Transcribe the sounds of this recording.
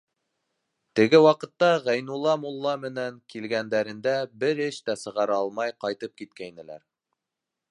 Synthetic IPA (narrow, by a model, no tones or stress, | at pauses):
t̪ɘ̆ɡɘwɑqɤ̆t̪ːɑʁæjnulˠːɑmulˠːɑmɘ̆næŋkilɡænd̪æɾɘ̆nd̪æbɘɾɘʃt̪æsɤ̆ʁɑɾɑɑlˠmɑjqɑjt̪ɤp̚kit̪kæjnɘ̆læ̰ɾ